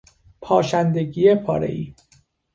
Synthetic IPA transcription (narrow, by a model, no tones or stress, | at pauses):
pʰɒːʃænd̪eɡiːepʰɒːɾḛʔḭː